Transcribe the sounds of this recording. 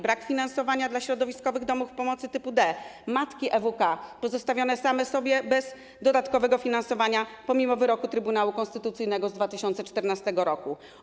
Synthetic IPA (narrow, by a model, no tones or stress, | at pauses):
bɾakfʲinansɔvaɲad̪laɕɾɔd̪ɔvʲiskɔvɘɣd̪ɔmufpɔmɔt̪sɘt̪ɘpud̪ɛmat̪kʲiʔɛvukapɔzɔst̪avʲjɔnɛsamɛsɔbʲjɛbɛz | d̪ɔd̪at̪kɔvɛɡɔfʲinansɔvaɲapɔmʲimɔvɘɾɔkut̪ɾɘbunawukɔ̃nst̪ɘt̪ut̪sɘjnɛɡɔzd̪vat̪ɘɕɔnt̪sɛt͡ʂt̪ɛɾnast̪ɛɡɔɾɔku